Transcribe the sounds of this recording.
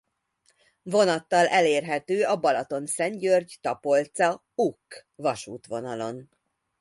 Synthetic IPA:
vo̞nɒt̪ːɒlʔɛleːrɦɛt̪øːɒbɒlɒt̪o̞nsɛɲɟørɟt̪ɒpo̞lt̪sɒ | ukːvɒʃuːt̪ʋo̞nɒlo̞̰n

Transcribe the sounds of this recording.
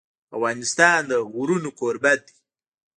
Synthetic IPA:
awɣɑːnɪst̪ɑːnd̪əɣuɾunokoɾbat̪̚d̪i̥

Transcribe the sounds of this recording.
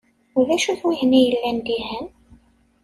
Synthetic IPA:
ʊðæʃuθwiʝnijəlːænd̪iɦæn

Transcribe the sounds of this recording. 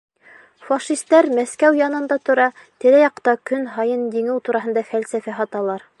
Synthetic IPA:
fɑʃist̪ɑɾmæskæwjɑnɤ̆nd̪ɑt̪ŏɾɑ | t̪ɘ̆ɾæjɑqt̪ɑkɵnɦɑjɤndiŋɘwt̪uɾɑɦɤ̆nd̪ɑfælsæfæɦɑt̪ɑlˠɑɾ

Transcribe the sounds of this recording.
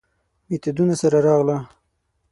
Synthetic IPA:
miet̪ad̪unasaɾaɾɑɣla

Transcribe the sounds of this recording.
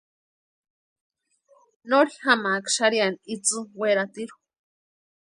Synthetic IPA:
noɾixamakʃaɾianit͡sɨweɾat̪iɾu̥

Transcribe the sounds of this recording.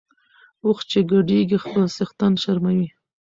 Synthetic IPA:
ʊxt͡ʃeɡaɖeɡixpəlsɪxt̪ɑnʃaɾmawi

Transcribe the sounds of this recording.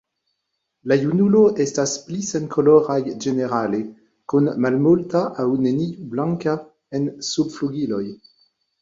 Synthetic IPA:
lajunuloʔɛstasplisɛnkʰolɔʁajʒeneʁale | kunmalmultaʔawneniublãŋka | ɛnsubfluɡiloj

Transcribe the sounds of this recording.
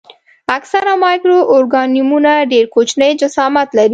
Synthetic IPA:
aksaɾamɑjkɾoʔːɾɡɑnimunaɖeɾkot͡ʃnəjd͡ʒasɑmat̪laɾi

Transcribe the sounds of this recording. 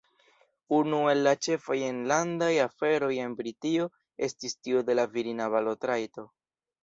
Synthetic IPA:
unue̞lːat͡ʃe̞fajenlandajafe̞ɾo̞je̞nbɾitio̞ | e̞stistiode̞laviɾinaβalotɾajto̞

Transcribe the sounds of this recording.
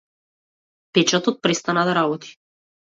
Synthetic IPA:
pɛt͡ʃat̪ɔt̪̚pɾɛst̪anad̪aɾabɔt̪ʰi̥

